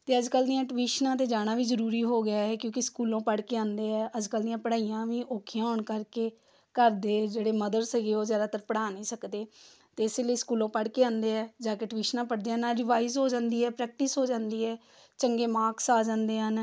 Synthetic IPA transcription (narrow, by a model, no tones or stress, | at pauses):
t̪eːəd͡ʒkəld̪ijãːʈʋiːʃnãːt̪̬eːd͡ʒaːɽ̃aːʋiːzəɾuːɾiːɦoːɡɪjaːɦɛːkjõːkɪskuːlõːpəɽkeːãːnd̪eːɛːʔəd͡ʒkəld̪ijãːpəɽaːijãːʋiːʔoːkʰjãːɦɔːɳkəɾkeː | kəɾd̪eːd͡ʒeːɽeːməd̪əɾsəɡeːoːzjaːd̪aːt̪əɾpəɽaːnĩːsəkd̪eː | t̪eːɪseːliːskuːlõːpəɽkeːãːnd̪eːɛːd͡ʒaːkeʈʋiːʃnãːpəɽd̪eːãnaːɾɪʋaːizɦoːd͡ʒãːnd̪iːɛːpɾɛːk̚ʈɪsɦoːd͡ʒãːnd̪iːɛː | t͡ʃəŋɡeːmaːksaːd͡ʒãːnd̪eːɦən